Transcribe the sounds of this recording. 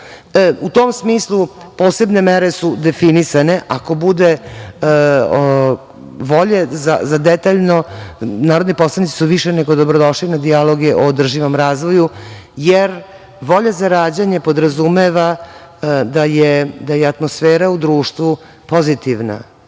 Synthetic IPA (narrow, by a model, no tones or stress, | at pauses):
ut̪omsmiːslˠupoːse̞bne̞meɾesud̪e̞finisane̞ʔako̞bud̪e | ʋo̞ʎeza̰zad̪et̪aʎno̞naːɾod̪nipo̞slˠanit̪i̥suʋiʃene̞ɡod̪o̞bɾod̪o̞ʃlinad̪ialo̞ɡeʔoːd̪r̩ʒiʋomɾaːzʋo̞jujeɾ | ʋo̞ʎazaɾaːd͡ʑaɲepo̞d̪ɾazumeʋa | d̪ajed̪ajeat̪mo̞sfeːɾaud̪ɾuːʃt̪ʋu | po̞zit̪iʋna̰